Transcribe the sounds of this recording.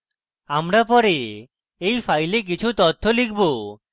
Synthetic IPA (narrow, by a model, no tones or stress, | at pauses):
amɾapɔɾe | ejpʰajlek̬it͡ʃʰut̪ɔt̪ʰːɔlik̚ʰbo